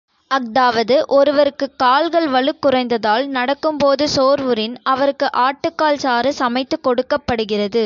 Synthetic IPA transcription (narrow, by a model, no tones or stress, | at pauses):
ɐk̚d̪aːʋɐðɯʔɔɾɯʋɐɾɯkːɯkːaːlɣɐɭʋɐɭɯkːɯrɐɪnd̪ɐðaːlnɐɽɐkːɯmpoːðɯsoːɾʋɯɾɪnɐʋɐɾɯkːɯʔaːʈːɯkːaːlsaːɾɯsɐmɐɪt̪ːɯkɔɽɯkːɐpːɐɽɯɣɪrɐðɯ